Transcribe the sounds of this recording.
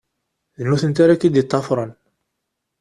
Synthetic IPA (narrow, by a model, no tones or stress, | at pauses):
ðənːuθənt̪aɾækid̪it̪ˤːɑfɾˤɑn